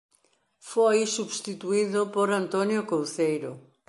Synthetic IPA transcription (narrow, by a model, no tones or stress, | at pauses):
fojsuβst̪it̪uiðʊpoɾant̪onjokowθejɾʊ